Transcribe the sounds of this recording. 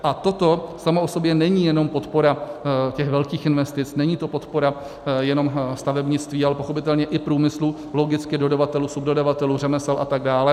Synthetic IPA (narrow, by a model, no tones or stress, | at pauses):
ʔat̪o̞t̪o̞samoʔo̞so̞bjɛnɛɲijɛno̞mpo̞t̪po̞ɾacɛɣvɛlkiːxʔɪnvɛst̪ɪt͡snɛɲiːt̪o̞po̞t̪po̞ɾa | jɛno̞mst̪avɛbɲɪt͡st̪viːalɛpo̞xopɪt̪ɛlɲɛʔɪpɾuːmɪslu | lo̞ɡɪt͡skɪdo̞davat̪ɛluːsubdodavat̪ɛluːr̝ɛmɛsɛlʔat̪aɡdaːlɛ